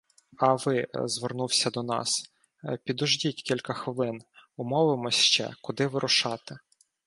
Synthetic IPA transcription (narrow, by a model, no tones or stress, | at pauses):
ɐʋɪzʋernuwsʲɐd̪ɔnɑ̰s | pʲid̪ʊʒdʲitʲkʲilʲkɐxʋɪlˠɪnʊmɔʋɪmɔsʲʃt͡ʃɛ̰kʊd̪ɪʋɪɾʔʊʃɑt̪ɪ